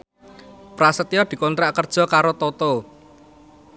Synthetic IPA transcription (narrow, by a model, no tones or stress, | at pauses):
pɾasət̪ijɔd̪̥i̤kɔnt̪ɾaʔkərd̥ʒ̥ɔ̤kaɾot̪ot̪o